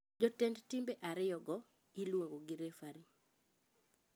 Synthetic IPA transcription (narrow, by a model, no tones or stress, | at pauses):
d͡ʒɔtɛndtimbeʔaɾɪjɔɡɔ | ilwoŋɡoɡiɾefaɾi